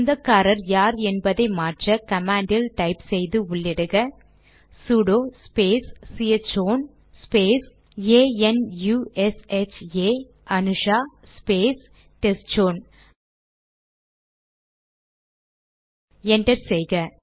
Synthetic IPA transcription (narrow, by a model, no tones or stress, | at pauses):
nd̪ɐkːaːɾɐɾjaːɾɛnbɐðɐɪmaːʈrɐkɐmaːɳɖɪlʈɐɪpsɛjðɯʊɭːɪɽɯɣɐ | suːɽoːspeːsːiɐt͡ʃoːn | speːs | eːɛnjuɛsɛt͡ʃeː | ʔɐnɯʂaː | speːs | ʈɛst͡ʃoːn | ɛɳɖɐɾsɛjɣɐ